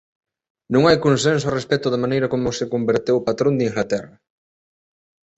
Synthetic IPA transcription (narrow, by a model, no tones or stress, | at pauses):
nõŋajkonsẽns̬oɔrespɛt̪ʊðamãnejɾɐkomʊsɪkombeɾt̪ewpat̪ɾõnd̪iŋɡlat̪ɛrɐ